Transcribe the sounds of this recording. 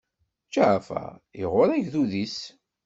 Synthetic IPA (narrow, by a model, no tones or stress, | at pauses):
t͡ʃːaʕfæ̰iʁʊɾæʝθuðis